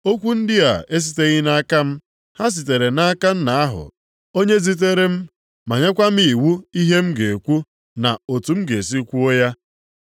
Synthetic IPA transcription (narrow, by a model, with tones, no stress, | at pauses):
o˦kʷu˦n̩˦dɪ˦a̰˨e˦s̬i˦te˦ɣi˦na˦a˦ka˦m̩˦ | ha˦s̬i˨t̬e˨ɾe˨na˦a˦ka˦n̩˦na˨a˦ɦʊ̰˨ | o˦ɲe˦zi˦t̬e˦ɾe˦m̩˦ | ma˨ɲa˦kʷa˦m̩˦i˨wu˦i˦ɦe˦m̩˦ɡe˨kʷu˦ | na̰˨o˨tu˨m̩˦ɡe˨s̬i˦kʷu˦o˦ja˦